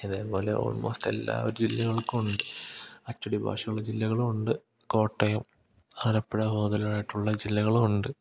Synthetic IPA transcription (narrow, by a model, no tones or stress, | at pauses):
iðeːpo̞ːle̞̰ʔo̞̰ɭmʔoːst̪e̞̰lːa̰ːoɾud͡ʑilːɐɣɐɭkuuɳɖɨɐtːɐɽibʱa̰ːʂɐɣɐɭɐd͡ʑilːɐɣɐɭumuɳɖɨ | ko̞ːʈːɐjɐm | aːɾɐpːeɽɐho̞ːd̪ɐlaːjiʈːuɭːɐd͡ʑilːɐɣɐɭuuɳɖɨ